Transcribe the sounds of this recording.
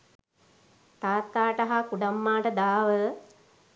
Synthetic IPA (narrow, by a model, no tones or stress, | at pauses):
t̪aːt̪ːaːʈɐɦakuɖamːaːʈəd̪aːʋə